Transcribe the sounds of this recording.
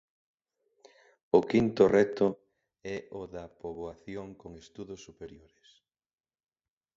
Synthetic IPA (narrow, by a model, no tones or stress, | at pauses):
ʊkint̪ʊrɛt̪ʊ | ɛʔʊðɐpoβoaθjoŋkoŋest̪uðʊsːupeɾjoɾɪs